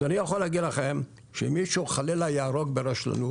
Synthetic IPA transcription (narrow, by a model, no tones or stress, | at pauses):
anijaχoleaɡid̪laχem | ʃemiʃuχalelajaaɾoɡ̚beɾaʃla̰nu